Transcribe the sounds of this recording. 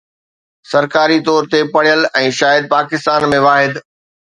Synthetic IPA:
sɐɾkaːɾit̪ɔːɾt̪epɐɽ̤ijəlɛ̃ːʃaːjəd̪̚paːkɪst̪aːnmẽʋaːɦɪd̪

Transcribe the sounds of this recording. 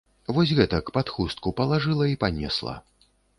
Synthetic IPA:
vɔsʲɣɛt̪ɐkpat̪xust̪̚kupɐlˠaʐɨlˠɐipanʲɛ̰slˠɐ̰

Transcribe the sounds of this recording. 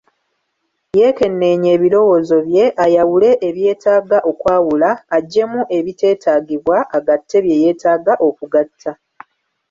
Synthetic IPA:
je̞ːke̞nːe̞ːɲe̞ːβilo̞wo̞ːzo̞βje̞ʔajawule̞ʔːβje̞ːtʰaːɡaʔo̞kwaːwulaːɟːe̞muʔe̞βite̞ːtʰaːɡiβwaaɡatʰːe̞βje̞je̞ːtaːɡaʔo̞kuɡatʰːa

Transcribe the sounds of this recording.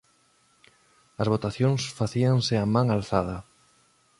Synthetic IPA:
ɐzβot̪aθjõŋsfaθiaŋsɪamãŋalθað̞ɐ

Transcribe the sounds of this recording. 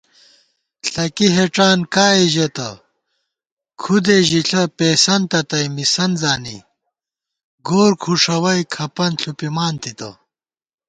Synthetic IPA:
ɬɐkiɦeʈ͡ʂaːnkaːiʑet̪ɐ | kʰud̪eʑiɬʰɐpeːsɐnt̪ɐt̪ɐjmisɐnzaːnḭ | ɡoːɾkʰuʂɐwɐjkʰɐpɐnɬʰupimaːnt̪it̪ɐ̰

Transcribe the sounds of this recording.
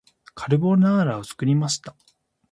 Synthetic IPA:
kʰaɾɯ̟bo̞naːɾaot͡sɨ̥kɯ̟ɾʲimaɕi̥t̪a

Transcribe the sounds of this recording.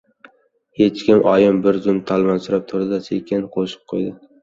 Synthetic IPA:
het͡ʃkʲɪmʔɒjɪmbɪɾzʊmt̪ʰɒlˠmansʊɾap̚t̪ʰʊɾɪd̪asekʲɪnqʰoʃɨ̥p̚qʰojd̪ɪ

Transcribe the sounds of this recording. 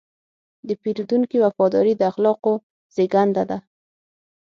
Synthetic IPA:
d̪əpiɾd̪uŋkiwafɑd̪ɔɾid̪əaxlɑqo | z̥eɡand̪ad̪a

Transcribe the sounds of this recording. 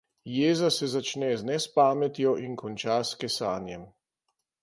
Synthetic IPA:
jeːzasɛzat͡ʃnɛznɛspaːmɛt̪jɔʔinkɔnt͡ʃaskɛsaːnjɛm

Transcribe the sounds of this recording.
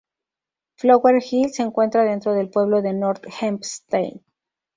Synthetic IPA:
floɣweɾxilseŋkwe̞nt̪ɾað̞e̞nt̪ɾo̞ðe̞lpwe̞βlo̞ðe̞noɾt̪xampst̪ejn

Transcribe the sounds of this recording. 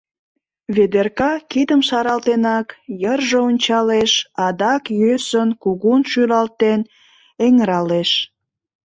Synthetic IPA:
βed̪erkɑkid̪əmʃɑɾɑlt̪enɑkjərʒəonʲt͡ɕɑleʃɑd̪ɑkjøsənkuɣunʃylɑlt̪en | eŋɾɑleʃ

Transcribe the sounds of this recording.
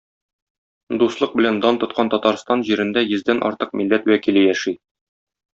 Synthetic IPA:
d̪uslˠɤq̚bɘ̆lænd̪ɒnt̪ŏt̪̚qɑnt̪ɒt̪ɑɾst̪ɑnʑiɾɘ̆nd̪æjɘ̆zd̪ænʔɒ̰ɾt̪ɤq̚milːæt̪wækilɘjæʃi

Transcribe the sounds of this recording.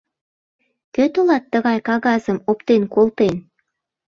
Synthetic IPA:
køt̪olɑt̪ːəɣɑjkɑɣɑzəmopt̪enkolt̪en

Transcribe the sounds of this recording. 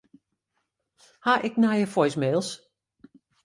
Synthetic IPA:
haʔɪknajəfɔjsmeːlˠs

